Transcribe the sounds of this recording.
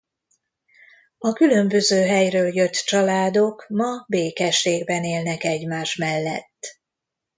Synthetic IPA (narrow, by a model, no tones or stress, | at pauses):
ɒkylø̞mbø̞zøːɦɛjrøːljøt̪ːt͡ʃɒlaːd̪o̞kmɒbeːkɛʃːeːɡbɛneːlnɛkɛɟmaːʃmɛlːɛ̰t̪ː